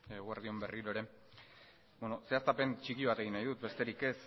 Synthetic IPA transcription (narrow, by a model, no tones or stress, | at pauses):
ɣuaɾðio̞mbe̞riɾo̞eɾe̞ | beno̞se̞ast̪ape̞nt͡ʃikiβ̞at̪e̞ɣinːajðut̪be̞st̪e̞ɾike̞s